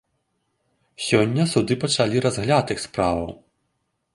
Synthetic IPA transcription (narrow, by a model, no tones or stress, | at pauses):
sʲɔnʲːɐsud̪ɨpɐt͡ʂalʲiɾazɣlʲat̪ɨxspɾavɐw